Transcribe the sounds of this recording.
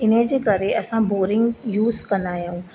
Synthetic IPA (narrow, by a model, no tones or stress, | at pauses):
ɪnə̃d͡ʑeːkɐɾeʔɐsãboːɾɪ̃ŋɡjuːzkɐ̃nd̪aːijũː